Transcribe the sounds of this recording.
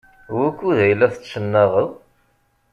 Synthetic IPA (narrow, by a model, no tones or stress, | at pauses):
wækːuðæjlːæθət͡sːsənːæʁəðˤ